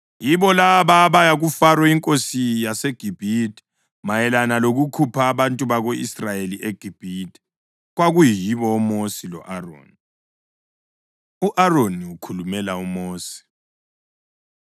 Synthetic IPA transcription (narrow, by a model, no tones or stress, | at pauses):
jiβɔlaβaβajaɣufarwɛiŋkʼosijaseɡ̥ʱib̥ʱidʼi̥ | majɛlanaloɣukʰupʰaːβantʼuβaɣoḭsrajeliʔeɡ̥ʱib̥ʱidʱʼi̥ | ɣwaɣujijiβɔɔmosilɔ̰ʔaro̰ːni | uʔaroniukʰulumɛlaumoːsi̥